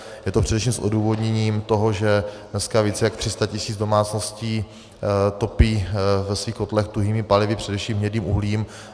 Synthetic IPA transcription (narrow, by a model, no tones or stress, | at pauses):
jɛt̪opr̝̥ɛdɛfʃiːmsʔo̰duːvo̞dɲɛɲiːmt̪o̞ɦoʒɛdnɛskaviːt͡sɛjak̚t̪r̥ɪst̪acɪsiːd͡zdo̞maːt͡snosciː | t̪o̞piːvɛsviːxot̪lɛxt̪uɦiːmɪpalɪvɪpr̥ɛdɛfʃiːmɦɲɛdniːmʔuɦliːm